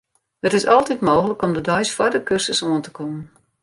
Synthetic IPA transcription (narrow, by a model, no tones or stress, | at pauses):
hətɪsɔlˠtitmoːxələkɔmdədɔɥsfwɔrdəkørsəsoəntə̥kʰɔmən